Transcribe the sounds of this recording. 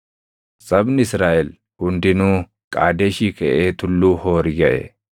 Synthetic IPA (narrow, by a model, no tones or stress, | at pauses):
sɐbnɪɪsɾaːʔɛl | hʊnd̪ɪnuː | kʼaːd̪eːʃiːkɐʔeːt̪ʊlːuːhoːɾjɐʔɛ̰